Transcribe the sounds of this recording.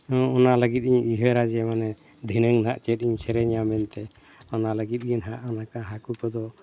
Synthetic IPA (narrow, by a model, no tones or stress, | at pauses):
ɔɔnaləɡit̪̚ˀiɲiɦəɾad͡ʒɛmanɛ | d̪ʱinəŋnaʔt͡ʃɛt̪̚iɲsɛɾɛɲamɛnt̪ɛ | ɔnaləɡit̪̚ɡinɦaʔɔnakaɦakukɔd̪ɔ